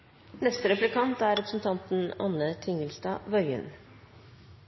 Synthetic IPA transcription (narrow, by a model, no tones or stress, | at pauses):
nɛst̪əɾɛplɪkʰɑnt̪æːɾɛpɾəsn̩t̪ʰɑnt̪n̩ɑ̰nət̪ʰɪŋəlsd̪ɑ̰ːʋœʏə̰n